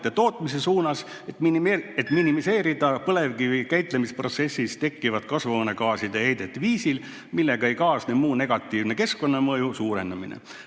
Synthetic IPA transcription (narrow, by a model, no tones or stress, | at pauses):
t̪ːˑet̪o̞ːt̪ˑmis̬e̞suːnɑs | et̪ːˑminet̪ːminimise̞ːɾid̪̥ɑpɤle̞vɡivikæjt̪lemispro̞t̪se̞sʲːist̪e̞kˑːivɑd̪̥kɑsvɑne̞kɑːsid̪ehejd̪̥e̞t̪ːviːsil | milːe̞ɡ̥ɑejkɑːsnemuːne̞ɡ̥ɑt̪ːˑiːvne̞ke̞sko̞nːɑmɤjusuːɾe̞nd̪ɑmḭnḛ